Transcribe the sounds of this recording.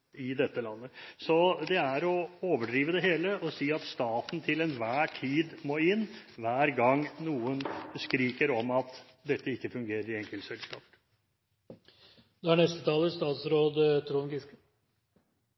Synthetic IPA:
ɪd̪ɛt̪ːəlɑnːəsɔd̪ɛæɾɔoːʋəɖɾiːʋəd̪ɛɦeːləʔɔsiːɑt̪st̪ɑːt̪n̩t̪ʰɪlɛnʋæːʈʰiːd̪moːɪnːʋæːɾɡɑŋnuːənskɾiːkəɾɔmɑt̪ | d̪ɛt̪ːəɪkːəfʉŋɡeːɾəɾɪɛŋkəlt̪sɛlskɑ̰ːp | d̪̥æɳɛst̪ət̪ʰɑːləst̪ɑːt̪sɾoːd̪t̪ʰɾuːnɡɪskə

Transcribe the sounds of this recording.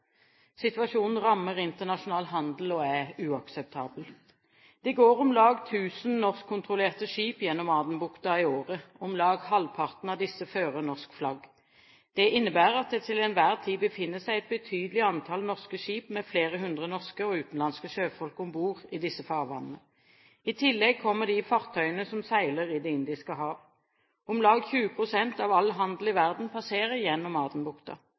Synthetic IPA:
sɪt̪ʋɑʃuːnn̩ʁɑmːəʁɪnt̪əʁnɑʃʊnɑːlɦɑnd̪l̩ɔæʉːɑksɛp̚t̪ʰɑːbəl | d̪̥ɛɡoːʁɔmlɑːɡt̪ʰʉːsn̩nɔʁskʰːʊnt̪ʁʊleːʁt̪əʂiːpjɛnːɔmɑːd̪ənbʊkt̪ɑɪoːʁəɔmlɑːɡhɑlpʰɑʁt̪nɑʋd̪ɪsəføːʁənɔʁskflɑɡ | d̪̥ɛʔɪnːəbæːʁɑt̪̚d̪ɛt̪ʰɪlɛnʋæːʁt̪ʰiːbəfɪnːəsæɪɛt̪̚bət̪ʰyːd̪əlɪɑnt̪ʰɑlnɔʁskəʃiːpmɛfleːʁəɦʉnd̪ʁənɔʁskəɔʉːt̪n̩lɑnskəʃøːfɔlkəɔmbuːʁɪd̪ɪsːəfɑːʁʋɑ̰nːənə | ɪt̪ʰɪlːɛɡ̚kʰɔmːəʁd̪ɪfɑʁt̪ʰœʏənəsɔmsæɪləʁɪd̪ɛɪnd̪ɪskəɦɑːʁ | ɔmlɑːɡçʉːəpʰʁʊsɛnt̪ɑːʋɑlɦɑnd̪l̩ɪʋæʁd̪n̩pʰɑseːʁəjɛnːɔmɑːt̪ən̩bʊkt̪ɑ̰

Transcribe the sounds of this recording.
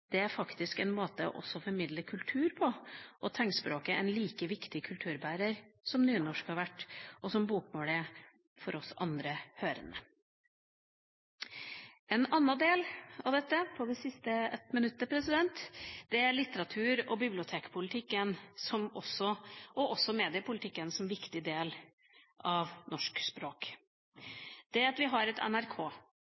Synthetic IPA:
d̪̥ɛæɾfɑkt̪ɪskɛnmoːt̪əɔ̰ʔɔ̰sːɔfɔɾmɪd̪ləkʰʉlt̪ʰʉːɾpʰɔʔɔt̪ʰɛŋspɾoːkəɛ̰nliːkəʋɪkt̪ɪkʰʉlt̪ʰʉːɾbæːɾəɾsɔmnyːnɔʂkhɑɾʋæʈːʔɔsɔmbuːkmoːlɪ | fɔɾɔsɑ̰nd̪ɾəhøːɾə̰nə | ɛnɑnːɑd̪eːlɑʋd̪ɛt̪ːəpʰɔd̪ɛsɪst̪əɛt̪mənʉt̪ːəpʰɾɛsɪd̪ɛnt̪d̪̥ɛæɾɭɪt̪ːəɾɑt̪ʰʉːɾɔbɪblɪʊt̪ʰeːkpʰʊlɪt̪ʰɪkːənsɔmɔsːɔʔɔʔɔsːɔmeːd̪ɪəpʊlɪt̪ɪkːənsɔmʋɪkt̪ɪd̪eːl | ʔɑʋnɔʂkspɾoːk | d̪̥ɛɑt̪ʋɪɦɑɾɛt̪ʰɛ̰næɾkʰoː

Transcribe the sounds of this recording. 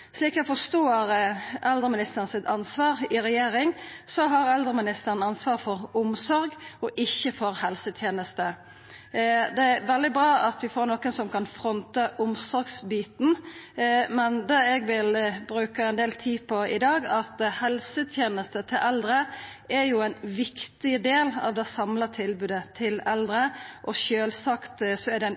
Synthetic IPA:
ʂliːkɛfɔʂt̪oːʁʔɛld̪ʁəmɪnɪst̪əʁn̩sɪt̪ɑnsʋɑːʁɪɾɛjeːɾɪŋsɔɦɑʁɛld̪ʁəmɪnɪst̪əʁənɑnsʋɑːʁfɔʁʊmsɔɾɡɔʔɪçːəfɔɾhɛlsət̪ʰjeːnəst̪ə | d̪ɛæɾʋɛld̪ɪbʁɑːʔɑt̪ʋɪfoːɾnɔkənsɔmkʰɑnfɾɔnt̪əʔʊmsɔɾɡsbiːt̪n̩ | mɛnd̪ɑɛɡʋɪlbɾʉːkəɛnd̪eːlt̪ʰiːpʰɔɪd̪ɑːɡɑt̪hɛlsət̪ʰjeːnəst̪ət̪ʰɪlʔɛld̪ɾəɛɾjʊɛɪnʋɪkt̪ɪəd̪eːlɑ̰ʋd̪ɛsɑmlət̪ʰɪlbʉːd̪ət̪ʰɪlɛld̪ɾəʔɔʃøːlsɑkt̪sɔɛd̪ɛn

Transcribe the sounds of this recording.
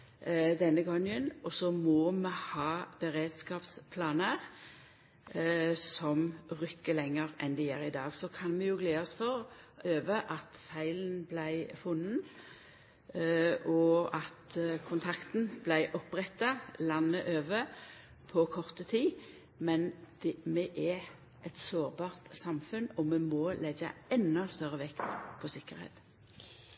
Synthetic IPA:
d̪ɛnːəɡɔŋːənɔsɔmɔmɛhɑːb̥əʁeːd̪skɑːpspʰlɑːnəʁ | sɔmʁʏkːəlɛŋːəʁʔɛnd̪ɪjæːʁɪd̪ɑːɡsɔkʰɑnmɛjʊːɡleːɔsfɔʁøːʋəʔɑt̪fæɪlən̩blæɪfʊn̩ː | ɔɑt̪kʰʊnt̪ʰɑkt̪n̩blæɪʔɔpːʁɛt̪ːɑlɑnːəʔøːʋə | pʰɔkʰɔʁt̪ət̪ʰiː | mɛnd̪̥ɛmɛʔɛ | ʔɛt̪soːʁbɑːʁt̪sɑmfʉnɔmɛmɔlɛɡə̰ɛnːɔst̪œɾəʋɛkt̪pʰɔsɪkːəʁhḛːt̪

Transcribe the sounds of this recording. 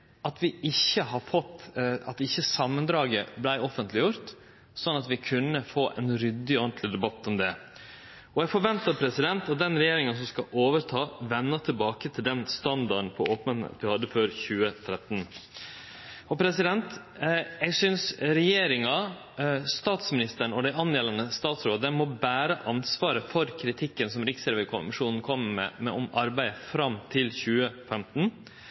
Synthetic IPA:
ɑt̪ʋɪɪçːəɦɑɾfɔt̪ːɑt̪ɪçːəsɑmːənd̪ɾɑːɡəblæɪɔfənt̪ʰlɪjʊɾt̪ | sɔnːɑt̪ʋɪkʰʉnːəfoːʔɛ̰nɾʏd̪ːɪɔnt̪ʰlɪd̪ɛbɑt̪ːɔmd̪ɛ | ɔjɛɡfɔɾʋɛnt̪əɾpʰɾɛsɪd̪ɛnt̪ɑt̪̚d̪ɛnɾɛjeːɾɪŋəns̬ɔmskɑʔoːʋəɾt̪ʰɑːʋɛnːət̪ʰɪlbɑːkət̪ʰɪld̪ɛnst̪ɑnd̪ɑɖn̩pʰɔoːpnən̰t̪ʋɪhɑd̪ːəføːɾçʉːət̪ʰɾɛt̪n | ɔpʰɾɛsɪd̪ɛnt̪ | jɛɡsʏnsɾɛjeːɾɪŋɑ | st̪ɑːt̪smɪnɪst̪əɳɔd̪æɪɑnːeːlənəst̪ɑːt̪sɾoːd̪əmɔbæːɾəʔɑnsʋɑːɾəfɔɾkʰɾɪt̪ʰɪkːənsɔmɾɪksɛːɾʋəkʰʊmɪʂuːnn̩kʰɔmːəmɛ̰mɛ̰ɔmɑɾbæɪəfɾɑmt̪ʰɪlçʉːəfɛmt̪n̩

